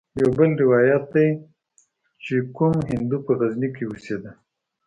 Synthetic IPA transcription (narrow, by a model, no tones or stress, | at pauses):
jawbəlɾɪwɑjat̪̚d̪aj | t͡ʃekumɦɪnd̪upəɣaznikewused̪a